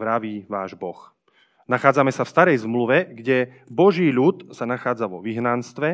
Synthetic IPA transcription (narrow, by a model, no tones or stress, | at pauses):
ɾaʋiːʋaːʒbɔx | naxaːd͡zamɛsafst̪aɾɛjzmluʋɛɡɟɛ | bɔʒiːʎut̪sanaxaːd͡zaʋɔʋiɦnanst̪ʋɛ